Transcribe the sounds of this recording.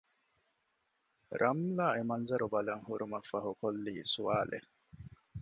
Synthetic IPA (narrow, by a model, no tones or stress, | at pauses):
ɾɐmlaːemɐnzɐɾubɐlɐŋhuɾumɐfɐɦukolːiːsuʋaːlʔḛ